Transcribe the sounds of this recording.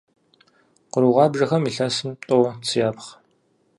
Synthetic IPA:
qəɾuʁɑːbʒɐxɐmiːɬɐsɨm̚tʼot͡sʰɨjaːpχ

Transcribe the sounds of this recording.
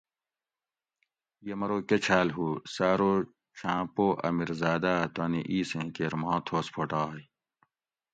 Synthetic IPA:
jɐmɐɾoːket͡ɕʰaːlɦuːsaːɾoː | t͡ɕʰãːpoːʔɐ̰miɾzaːd̪aːt̪aːniʔiːsẽːkeːɾmãːt̪ʰoːspʰoʈaːj

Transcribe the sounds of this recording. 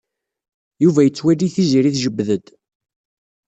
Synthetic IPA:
juvæjət͡sːwælːiθiziɾiθʒəbːðəd̪

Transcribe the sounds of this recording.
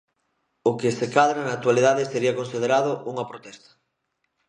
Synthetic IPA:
ʊkesekaðɾanat̪waliðaðeseɾiɐkonsið̞eɾað̞ʊuŋɐpɾot̪ɛst̪ɐ̥

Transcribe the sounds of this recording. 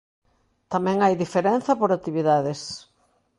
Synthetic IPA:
t̪amɛ̃ŋajðifeɾɛn̟θɐpoɾat̪iβiðaðɪs

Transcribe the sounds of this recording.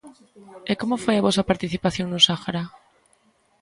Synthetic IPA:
ekomofweaβosapaɾt̪iθipaθjo̞nũnsaxaɾa

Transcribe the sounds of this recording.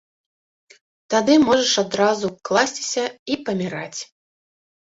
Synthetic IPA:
t̪ad̪ɨmɔʐɐʂad̪ɾazuklˠasʲt͡sʲi̥sʲɐipɐmʲiɾat͡sʲ

